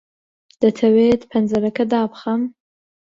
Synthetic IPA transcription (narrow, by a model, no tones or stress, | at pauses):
d̪̥ɐt̪ʰɐweːd̪pʰɐnzɐɾɐkʰɐd̪aːpχɐm